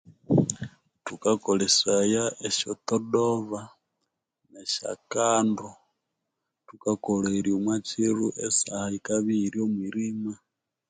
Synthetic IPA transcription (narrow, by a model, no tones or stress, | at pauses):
tukakolesajaeʃot̪odoβa | neʃa̰kaːndo | tukakoleɾiumwat͡ʃiɾuʔesahaikaβiɾiomwiɾima